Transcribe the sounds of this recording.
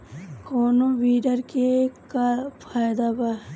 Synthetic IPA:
koːnoʋiːɖəɾkekapʰaːjd̪aba

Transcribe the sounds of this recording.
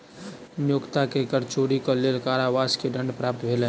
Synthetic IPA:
njoːkt̪akekəɾt͡ʃoɾikɔleːlkaːɾaʋaːskeɖə̃ɳɖpɾaːp̚t̪bʱelẽ

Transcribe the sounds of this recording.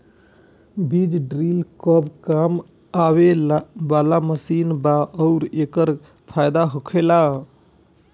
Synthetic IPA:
bid͡ʒɖɾilkɔbkam | awelabalaməsinbaʔɔʊɾekəɾ | pʰajd̪aɦokʰela

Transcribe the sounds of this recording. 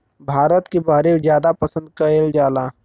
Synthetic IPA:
bʱaːɾət̪kibaɦɾebzjaːd̪apəsə̃nd̪̚kɐeːld͡ʒaːlaː

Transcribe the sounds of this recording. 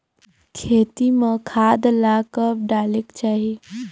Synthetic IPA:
kʰet̪imekʰad̪lakəp̚ɖalekt͡ʃaɦi

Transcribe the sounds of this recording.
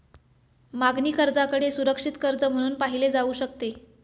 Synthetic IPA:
maɡniːkəɾd͡zakəɽesuɾəkʂit̪kəɾd͡zəm̤əɽ̃uːnpaɦiled͡zauːɕək̚t̪e

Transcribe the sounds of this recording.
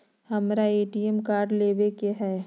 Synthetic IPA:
hɐmɾaeːʈiɛmkaːɾɖleːʋekeɦɛː

